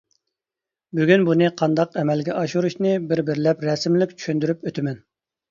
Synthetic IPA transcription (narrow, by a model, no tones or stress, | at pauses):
byɡʲynbunɨqʰɑnd̪ɑqɛmɛlɡʲɛʔɑʃuɾuʃnɨbɪɾbɪɾlɛpɾɛsmlɪkʲt͡ʃʰy̥ʃynd̪yɾypøt̪ʰɪmɛn